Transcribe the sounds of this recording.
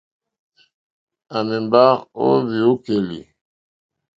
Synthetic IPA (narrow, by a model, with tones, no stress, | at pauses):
a˨mɛ˨mba˦ʁo̰˦vi˨o˦ke˨lḭ˨